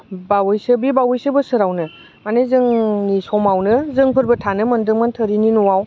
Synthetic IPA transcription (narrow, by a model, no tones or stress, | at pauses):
bawɯjsɯbibawɯjsɯbɯsɯɾawnɯ | manezɯŋnisɔmawnɯzɯŋpʰɯɾbɐtʰanɯmɐndɯŋmantʰəɾininuwaw